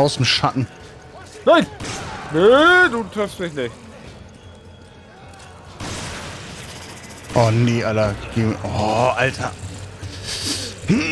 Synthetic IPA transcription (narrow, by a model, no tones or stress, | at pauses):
ʊsm̩ʃatn̩ | naɪnneduːtʁɪfstmɪçnɪçt | ʔɔːneːʔalɐɡ̥eːʔɔʔaltʰɐ̰